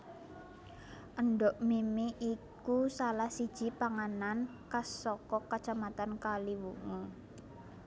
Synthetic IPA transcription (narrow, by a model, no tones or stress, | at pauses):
ʔəɳɖɔʔmemeʔikusalahsi̥ʒ̥ipaŋanan | kasɔkɔkat͡ʃamat̪ankaliwumu